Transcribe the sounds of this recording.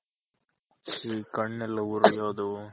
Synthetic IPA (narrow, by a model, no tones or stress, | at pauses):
ʃiːkɐɳːɛlːɐuɾijoːd̪u